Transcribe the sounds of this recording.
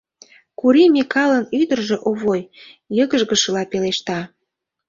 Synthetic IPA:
kuɾimʲikɑlənyd̪ərʒĕʔoβojjɤɣəʒɣə̆ʃə̆lɑpeleʃt̪ɑ

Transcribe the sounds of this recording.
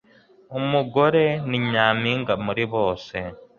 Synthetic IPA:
umuɡo̞ɾe̞niɲaːmiːŋɡamuɾiβo̞ːse

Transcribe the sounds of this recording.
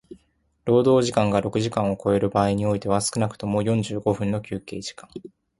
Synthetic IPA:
ɾo̞ːd̪o̞ːʑikãŋɡaɾo̞kɯ̟ʑikãɰ̃o̞ko̞e̞ɾɯ̟baːiɲ̟io̞it̪e̞β̞asɨ̥kɯ̟nakɯ̟̥t̪o̞mo̞jõ̞ɲ̟d͡ʑɨːɡo̞ɸɯ̟̃nːo̞kʲɨːke̞ːʑi̥kãŋ

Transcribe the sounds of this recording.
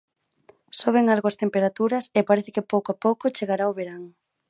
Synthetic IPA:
soβ̞eŋalɣoɐst̪empeɾat̪uɾɐsepaɾeθɪkɪpowkoapowkʊt͡ʃeɣaɾaoβeɾaŋ

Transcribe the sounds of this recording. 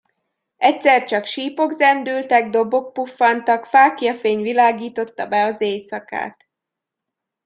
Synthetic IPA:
ɛcsɛrt͡ʃɒkʃiːpo̞ɡzɛnd̪yːlt̪ɛɡ̚d̪o̞bo̞k̚pufːɒnt̪ɒkfaːkjɒfeːɲvilaːɡiːt̪o̞t̪ːɒbɛɒzeːjsɒka̰ːt̪

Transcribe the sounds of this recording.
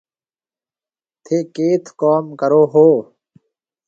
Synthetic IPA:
t̪ʰeːkeːt̪ʰkɔːmkəɾoːɦoː

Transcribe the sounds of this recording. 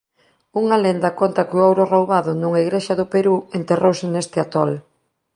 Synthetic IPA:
uŋalend̪ɐkont̪ɐkɪʊawɾorowβaðʊnuŋaiɣɾeʃɐðʊpeɾuent̪erowsɪnest̪ɪat̪ɔl

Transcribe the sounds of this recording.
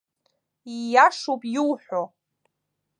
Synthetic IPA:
ijaʂowpʼjulħʷo

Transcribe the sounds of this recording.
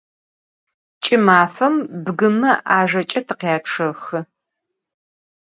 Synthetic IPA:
t͡ʃʼɪmaːfɐmbɡɨmɐʔaːʒɐt͡ʃʼɐtʰɨqjaːʈ͡ʂʰɐxɨ

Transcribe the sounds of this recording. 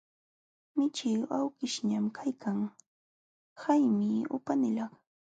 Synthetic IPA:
mɪt͡ʃɪawkɪʃɲamkʰajkʰaŋ | hajmɪʊ̰panɪlɑχ

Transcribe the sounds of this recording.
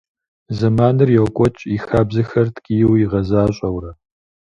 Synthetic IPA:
zɐmaːnɨrjɛwkʷʼɔt͡ʃʼixaːbzɨxɐrtʰkʼijɪwjiʁɐzaːɕʼɐwɾɐ

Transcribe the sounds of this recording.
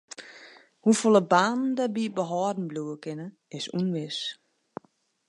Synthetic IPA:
hufolˠəbaːnn̩dabibəɦɔːdn̩bluəkɪnə | ɪsunʋɪs

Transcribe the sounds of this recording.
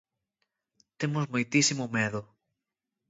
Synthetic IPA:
t̪emʊzmojt̪isimʊmeðʊ

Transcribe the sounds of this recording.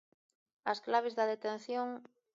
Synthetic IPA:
ɐsklaβ̞ezðɐðet̪en̟θjoŋ

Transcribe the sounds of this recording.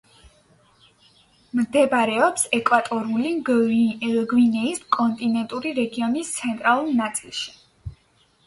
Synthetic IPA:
md̪ɛbɾɛɔpsɛkʼwat̪ʼɔɾuli | ɡwinɛiskʼɔnt̪ʼinɛnt̪ʼuɾiɾɛɡiɔnist̪sʰɛnt̪ʼɾalˠuɾnat̪sʼilˠʃi̥

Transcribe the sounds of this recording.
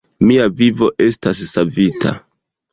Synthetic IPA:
miavivo̞ʔe̞stasːavitʰa̰

